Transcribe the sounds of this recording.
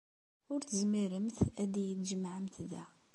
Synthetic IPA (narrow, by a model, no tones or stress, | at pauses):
ʊɾt̪əzmiɾəmt̪æd̪ijət̪ʒəmʕəmt̪ðæ